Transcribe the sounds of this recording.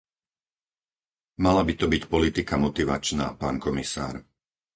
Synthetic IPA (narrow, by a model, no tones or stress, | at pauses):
malabit̪ɔbicpɔlit̪ikamɔt̪iʋa̰t͡ʃna̰ːpaːnkɔmisa̰ːɾ